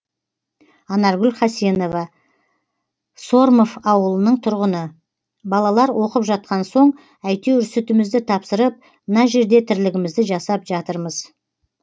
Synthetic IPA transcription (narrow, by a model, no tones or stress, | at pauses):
ɑnɑɾɡʲʏlχɑsjeno̞vɑ | so̞ɾmo̞fɑwəlˠənəɴt̪ʰʊɾʁənə | bɑlˠɑlˠɑɾwʔo̞qəpʒɑt̪̚qɑnso̞ɴ | æjt̪e̞wʏɾset̪ɪmɪzd̪ɪt̪ʰɑpsəɾəp̚ | mənɑʒe̞ɾd̪e̞t̪ʰɪɾlɪɡʲɪmɪzd̪ɪʒɑsɑpʒɑt̪əɾməz̥